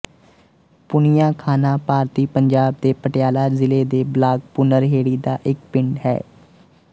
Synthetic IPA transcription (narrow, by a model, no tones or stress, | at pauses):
pʊnɪjãːkʰaːnãːpaːɾt̪iːpəɲd͡ʒaːb̚d̪eːpəʈɪjaːlaːzɪleːd̪eːblaːɡ̚pʊnəɾɦeːɽiːd̪a̰ːʔɪk̚pɪɳɖɦɛ̰ː